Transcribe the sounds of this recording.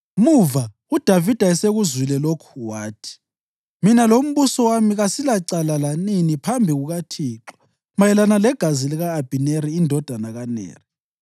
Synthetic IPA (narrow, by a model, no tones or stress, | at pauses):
muva | ud̥ʱavid̥ʱaɛseɣuzwilɛlokʰuwaːtʰi̥ | minalom̩βusɔwamiɣasilaǀalalaninipʰambʱiɣuɣatʰiːǁɔ̥ | majɛlanalɛɡ̥ʱaziliɣaːb̥ʱineɾiːndʱɔd̥ʱanaɣanɛ̰ːri